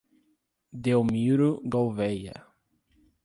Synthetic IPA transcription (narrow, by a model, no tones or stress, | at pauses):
d̪ewmiɾʊɡowvɛjɐ̰